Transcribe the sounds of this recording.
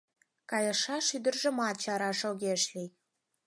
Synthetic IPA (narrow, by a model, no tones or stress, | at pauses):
kɑjəʃɑʃyd̪ə̆rʒə̆mɑt͡ɕɑɾɑʃoɣʲeʃli